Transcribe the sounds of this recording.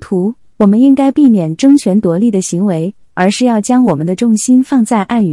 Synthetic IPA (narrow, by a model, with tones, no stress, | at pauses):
t̪ʰu˧˥ | wɔ˨˩mə˦ni˥nka˥ɪpi˥˩mjɛ˨˩nʈ͡ʂɤ˥ŋt͡ɕʰɥɛ˧˥nt̪wɔ˧˥li˥˩d̪ə˩ɕi˧˥ŋwe˧˥ɪ | ə˞˧˥ʂɻ̩˥˧jɑ˥˩ʊt͡ɕjɑ˥ŋwɔ˨˩mə˦nd̪ə˧ʈ͡ʂʊ˥˩ŋɕi˥nfɑ˥˧ŋt͡sa˥˧ɪʔa˥˩ny˨˩